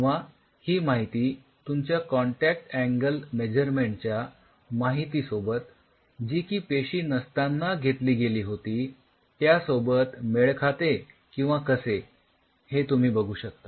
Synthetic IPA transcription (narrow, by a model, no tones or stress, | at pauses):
ĩʋa | hiːmaɦit̪iː | t̪umt͡ɕjakɔɳʈæk̚ʈæŋɡəlmed͡ʑəɾmeɳʈ̚t͡ɕja | maɦit̪iːsobət̪ | d͡ʑiːkiːpeɕiːnəst̪anːaɡʱet̪liːɡeliːɦot̪iː | t̪jasobət̪meɭkʰat̪e | kĩw̃ʋakəse | het̪um̤iːbəɡʱuːɕək̚t̪a